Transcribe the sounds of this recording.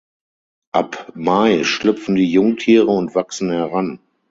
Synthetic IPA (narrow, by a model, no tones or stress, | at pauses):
ʔapmaɪʃlʏp͡fn̩diːjʊŋtʰiːʁəʊntv̥aksn̩hɛʁan